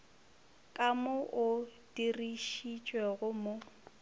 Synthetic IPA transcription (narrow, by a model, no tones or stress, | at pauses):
kʼamʊʔʊd̥iriʃit͡ʃʼwɛɣʊmo